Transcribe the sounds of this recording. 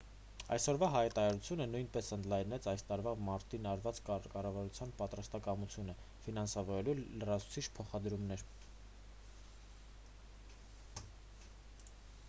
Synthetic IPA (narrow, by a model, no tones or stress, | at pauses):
ɑ̰jsɔɾvɑɦɑjɛt̪ɑɾɑɾut͡sʰjunənujnpɛsənd̪lɑjnɛt͡sʰɑjst̪ɑɾvɑmɑɾt̪inɑɾvɑt͡skɑrɑvɑɾut͡sʰjɑnpɑt̪ɾɑst̪ɑkɑmut͡sʰjunə | finɑnsɑvɔɾɛlulərɑt͡sʰu̥t͡sʰit͡ʃʰpʰɔχɑd̪ɾumnɛɾ